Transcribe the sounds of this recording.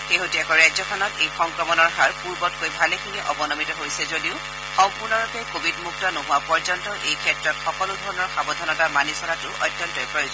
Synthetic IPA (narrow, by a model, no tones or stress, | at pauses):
xeɦotiɛkɔɹajzɔkʰɔnɔtejxɔŋkɹɔmɔnɔɹɦaɹpuɹbɔt̚kojbʱalekʰiniʔɔbɔnɔmitɔɦojsɛzodiʊ | xɔmpuɹnɔɹɔpɛkobidmuk̚tɔnɔɦʊwapɔɹzɔntɔʔejkʰɛtɹɔtxɔkɔlʊdʱɔɹɔnɔɹxabɔdʱanɔtamanisɔɹatʊʔɔ̰jtːjɔntɔjpɹɔjoz